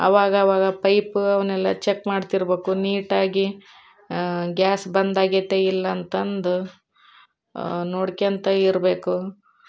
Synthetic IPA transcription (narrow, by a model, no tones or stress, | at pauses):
ɐ̰ʋaːɡɐːʋaːɡɐpɐjpɐʋɐnɛlːɐt͡ʃekːmaːɖt̪iɾbe̞ːkuniːʈaːɡi | ɡʲaːsbɐnd̪aːɡet̪ːeilːɐːnt̪ɐnd̪u | noːɽkeɐnt̪ɐiɾbe̞ːku